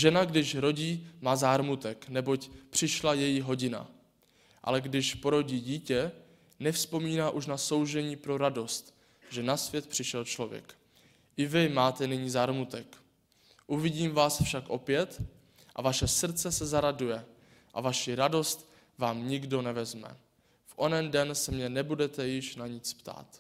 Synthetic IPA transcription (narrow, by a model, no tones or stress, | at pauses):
ʒɛnaɡdɪʃɾo̞ɟiːmaːzaːɾmut̪ɛknɛbo̞cpr̥ɪʃlajɛjiɦo̞ɟɪna̰ | ʔa̰lɛɡdɪʃpo̞ɾo̞ɟiːɟiːcɛ | nɛfspo̞miːnaːʔuʃnaso̞wʒɛɲiːpɾo̞ɾado̞st̪ | ʒɛnasvjɛt̪pr̥ɪʃɛlt͡ʃlo̞vjɛ̰k | ʔɪvɪmaːt̪ɛnɪɲiːzaːɾmut̪ɛk | ʔuvɪɟiːmvaːsfʃakʔo̞pjɛt̪ | ʔa̰vaʃɛsr̩t͡sɛsɛzaɾadujɛ | ʔa̰vaʃiɾado̞st̪ | vaːmɲɪɡdo̞nɛvɛzmɛ̰ | fʔo̞nɛndɛnsɛmɲɛnɛbudɛt̪ɛjɪʃnaɲɪt͡spt̪a̰ːt̪